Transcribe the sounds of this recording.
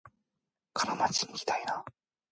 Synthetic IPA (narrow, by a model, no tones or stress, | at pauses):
kʰaɾamat͡ɕiɲikʲi̥t̪aina